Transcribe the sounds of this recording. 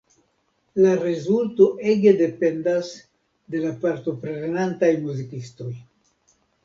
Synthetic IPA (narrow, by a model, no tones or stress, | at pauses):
laɾezulto̞ʔe̞ɡe̞de̞pe̞ndas | de̞lapaɾto̞pɾenenantajmuzikisto̞j